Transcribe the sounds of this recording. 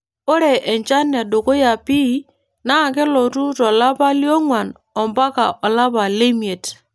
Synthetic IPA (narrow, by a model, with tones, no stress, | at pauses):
o˦ɾe˨ʔɛ˨ɲt͡ʃa˦n˨a˨do˨ko˦ja˨pi˦ | na˦˨kɛ˦lɔ˨tu˦tɔ˨la˦pa˦ljɔ˦ŋwa˨n | ɔ˨mba˦ka̰˨ʔɔ˨la˦pa˨le˦mi˨e˨t